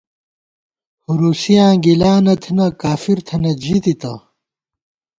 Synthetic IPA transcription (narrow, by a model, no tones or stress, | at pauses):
huɾusijãːɡilaːnɐt̪ʰinɐkaːfiɾt̪ʰɐnɐd͡ʑid̪it̪ɐ̰